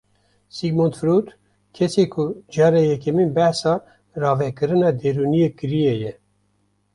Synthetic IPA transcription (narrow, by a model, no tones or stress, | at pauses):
siɡmont̪fɾuːt̪ | kʰɛseːkʰud͡ʒɑːɾejɛkɛminbɛhsɑː | rɑːvɛkɨɾɨnɑːd̪eɾunijekɨɾijɛjɛ